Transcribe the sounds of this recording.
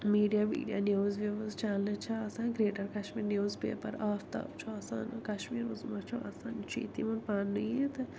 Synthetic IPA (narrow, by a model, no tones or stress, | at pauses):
miːɖijaːmḭːɖija̰ːnjoːzʋeʋɐzt͡ʃaːlɨt͡ʃʰɐaːsãːnɡɾeːʈɐɾkɐʃmiːɾnjuːzpḛːpɐ̰ɾaːft̪ɐ̰ːbt͡ʃʰuaːsa̰ːnkɐʃmiːɾuzmɐt͡ʃʰua̰ːsaːnt͡ʃʰḭt̪imunpaːnːujet̪ɨ